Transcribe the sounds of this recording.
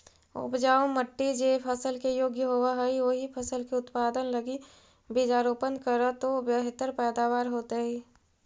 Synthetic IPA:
ʊ̰pd͡ʒaːoməʈːid͡ʒepʰəsəlkejoːɡjəɦoːaɦɛiʋoːɦipʰəsəlkeʊt̪paːd̪ənləɡi | bid͡ʒaːɾoːpənd̪kəɾət̪objəɦt̪əɾpɛːd̪aːʋaːɾɦoːt̪eɦɛi

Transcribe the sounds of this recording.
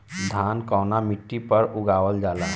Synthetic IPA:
d̪ʱaːnkɔːnamɪʈːipəɾʊɡaːwəld͡ʒaːlaː

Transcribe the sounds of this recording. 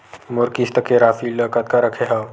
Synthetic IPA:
mʊɾkist̪əkeɾaːfiləːkət̪̚kaɾəkʰeɦɐ

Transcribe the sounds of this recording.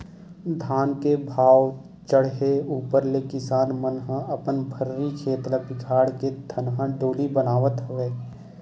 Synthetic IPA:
d̪ʱaːnkebʱaːw | t͡ʃəɽ̤ɦeuːpəɾlekɪsaːnmənɦə̃əpənbʱəɾːikʰeːt̪ləpɪkʰaːɽket̪ʰənɦə̃ɖoːlibənaːʋət̪ɦʊeː

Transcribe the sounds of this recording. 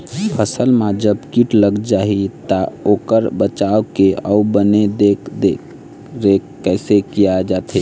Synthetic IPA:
pʰəsəlmad͡ʒəbkiʈləɡd͡ʒaɦit̪aokəɾbət͡ʃaokeəubəned̪ekʰd̪e | ɾekːɛɪsekijad͡ʒat̪ɦe

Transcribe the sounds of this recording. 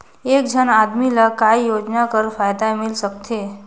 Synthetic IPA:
ek̚d͡ʑʱənad̪milakajjod͡ʑnakəɾfajd̪amilsəkt̪e

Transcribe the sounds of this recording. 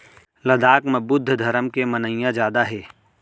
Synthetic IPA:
lɐd̪aːkməbʊd̪ʱːd̪ʱɐɾəmkemɐnəjjãd͡ʒjaːd̪aɦɛː

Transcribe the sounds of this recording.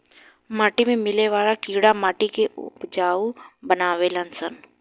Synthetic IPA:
maːʈimẽmɪleʋaːɭakiːɽamaːʈikeʔʊ̰pd͡ʒaːubənaːʋelənsən

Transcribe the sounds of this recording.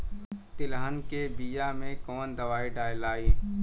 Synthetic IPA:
t̪ɪlɦənkebijamẽkɔːnd̪ɐʋaːiɖaːjlaːiː

